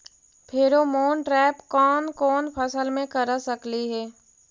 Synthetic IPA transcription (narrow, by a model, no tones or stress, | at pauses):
pʰeɾomoːnʈɾɛːpkɔːnkɔːnpʰəsəlmẽkəɾasəkliɦɛː